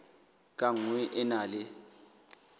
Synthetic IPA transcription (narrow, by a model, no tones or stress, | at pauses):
kʼaŋwɛʔɛnaːlɪ